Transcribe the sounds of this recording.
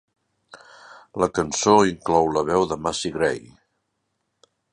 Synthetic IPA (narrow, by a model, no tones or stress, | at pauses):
ləkənsoiŋklɔwləβɛwðəmasiɣɾɛj